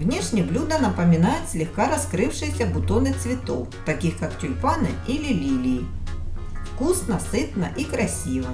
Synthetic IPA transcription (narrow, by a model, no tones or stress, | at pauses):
vnʲeʂnʲɪjblʲud̪ɐnɐpəmʲɪnajʊt̪sʲlʲɪxkaɾɐskɾɨfʂɨjɪsʲɐbʊt̪onɨt̪svʲɪt̪owt̪ɐkʲixkaktʲʊlʲpanɨilʲɪlʲilʲɪː | fkusnɐsɨt̪nɐʔikɾɐsʲivɐ